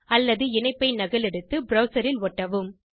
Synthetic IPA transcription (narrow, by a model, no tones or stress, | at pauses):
ɐlːɐðɯɪnɐɪpːɐɪnɐɣɐlɛɽɯt̪ːɯbɾɐʊsɐɾɪlɔʈːɐʋɯm